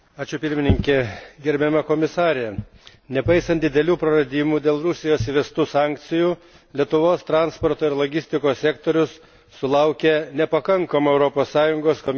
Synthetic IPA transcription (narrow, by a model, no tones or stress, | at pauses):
ɑːt͡ʃʲʊpʲɪɾʲmʲɪnʲɪŋʲkʲɛɡʲɛɾʲbʲɛmɐkoːmʲɪsɑːɾʲe | nʲɛpɐɪsɐnt̪d̪ʲɪd̪ʲɛlʲuːpɾɐɾɐd̪ʲiːmuːd̪ʲeːlˠɾʊsʲɪjoːsiʋʲɛst̪uːsɑːŋʲk̚t̪sʲɪjuː | lʲiɛt̪ʊʋoːst̪ɾɑːnspɔɾt̪oːɪɾlˠoːɡʲɪsʲt̪ʲɪkoːsʲsʲɛkt̪oːɾʲʊsː | ʊlˠɐʊkʲɛnʲɛpɐkɐŋkɐmuɛʊɾopoːssɑːjʊŋɡoːskomʲ